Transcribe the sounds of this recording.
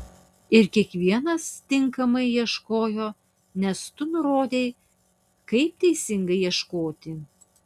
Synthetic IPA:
ɪɾkʲiɛkʋʲiɛnɐst̪ʲɪŋkɐmɐɪjiɛʃkoːjoː | nʲɛst̪ʊnʊɾoːd̪ʲeː | kɐɪp̚t̪ʲɛɪsʲɪŋɡɐɪiɛʃkoːt̪ʲɪ

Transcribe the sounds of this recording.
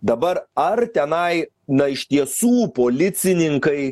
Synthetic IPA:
d̪ɐbɐɾɐɾt̪ʲɛnɐɪ | nɐɪʃt̪ʲiɛsuːpoːlʲɪt̪sʲɪnʲɪŋkɐɪ

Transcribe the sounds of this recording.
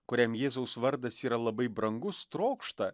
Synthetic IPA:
kʊɾʲɛmjeːzɐʊsʋɐɾd̪ɐsiːɾɐlˠɐbɐɪbɾɐŋɡʊst̪ɾoːkʃt̪ɐ

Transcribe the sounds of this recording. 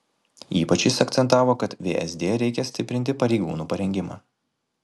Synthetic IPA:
ḭːpɐt͡ʃʲɪsɐkt̪sʲɛnt̪ɑːʋoːkɐt̪ʋʲeːʔɛzd̪ʲeːɾʲɛɪkʲɛsʲt̪ʲɪpʲɾʲɪnʲt̪ʲɪpɐɾʲɛɪɡṵːnuːpɐɾʲɛŋʲɡʲɪmɑ̰ː

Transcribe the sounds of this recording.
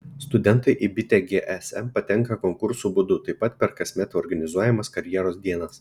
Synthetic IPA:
st̪ʊd̪ʲɛnt̪ɐɪʔɪbʲɪt̪ʲɛɡʲeʔɛsɛmpɐt̪ʲɛŋkɐkɔŋkʊɾsuːbʊd̪ʊt̪ɐɪpːɐt̪pʲɛɾkɐsʲmʲɛt̪ʲɔɾɡɐnʲɪzuɔjɛmɐskɐɾʲjiɛɾoːsd̪ʲiɛnɐs

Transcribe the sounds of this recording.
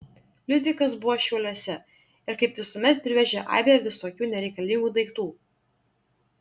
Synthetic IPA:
lʲɪd̪ʲʋʲɪkɐs̬bʊʋoːʃʲɛʊlʲoɔsʲɛ | ɪɾkɐɪpʋʲɪsoːmʲɛt̪̚pʲɾʲɪʋʲɛʒʲɛʔɑ̰ːbʲejɛʋʲɪsoːkʲuːnʲɛɾʲɛɪkɐlʲɪŋɡuːd̪ɐɪkt̪uː

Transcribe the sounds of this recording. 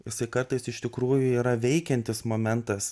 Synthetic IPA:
jɪsɐɪkɐrt̪ɐɪsɪʃt̪ʲɪkɾuːjʊiːɾɐʋʲɛɪkʲɛnʲt̪ʲɪsmoːmʲɛnt̪ɐs

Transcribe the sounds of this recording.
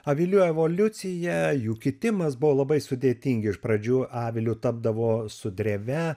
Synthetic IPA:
ɐʋʲɪlʲuːɛʋoːlʲʊt̪sʲɪjɛjuːkʲɪt̪ʲɪmɐsbʊʋoːlˠɐbɐɪsʊd̪ʲeːt̪ʲiŋʲɡʲɪɪʃpɾɐd͡ʒʲuːʔɑːʋʲɪlʲʊt̪ɐb̚d̪ɐʋoːsʊd̪ʲɾʲeʋʲɛ

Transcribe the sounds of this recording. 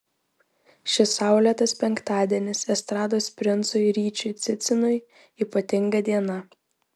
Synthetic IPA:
ʃʲɪsɑˑʊlʲɛt̪ɐspʲɛŋkt̪ɑːd̪ʲiɛnʲɪsɛst̪ɾɑːd̪oːsʲpʲɾʲɪnt̪sʊɪɾʲiːt͡ʃʲʊɪt̪sʲɪt̪sʲɪnʊɪ | iːpɐt̪ʲɪŋɡɐd̪ʲiɛnɐ

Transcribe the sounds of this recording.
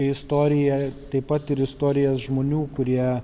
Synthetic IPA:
ɛɪst̪oːɾʲɪjɛt̪ɐɪpɐt̪ɪɾɪst̪oːɾʲɪjɛːsʒmoːnʲuːkʊɾʲiɛ

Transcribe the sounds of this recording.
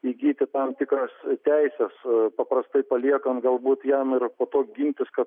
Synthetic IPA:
iɡʲiːt̪ʲɪt̪ɐmt̪ʲɪkɾoːst̪ʲɛɪsʲɛspɐpɾɐst̪ɐɪpɐlʲiɛkɐnt̪ɡɐlˠbuːt̪jɛmɪrpoːt̪oːkʲɡʲɪnʲt̪ʲɪskɐt̪

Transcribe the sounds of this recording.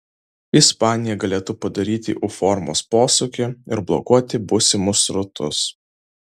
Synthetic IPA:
ɪspɑːnʲɪjɛɡɐlʲeːt̪ʊpɐd̪ɐɾʲiːt̪ʲɪ̰ʔʊfɔɾmoːspoːsʊkʲɪɪɾblˠɔ̰kuɔt̪ʲɪbʊsʲɪmʊsɾʊt̪ʰʊs

